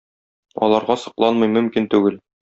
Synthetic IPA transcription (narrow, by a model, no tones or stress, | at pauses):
ɒ̰lˠɑɾʁɑsɤ̆qlˠɑnmɤjmɵ̆mkint̪ʉɡɘl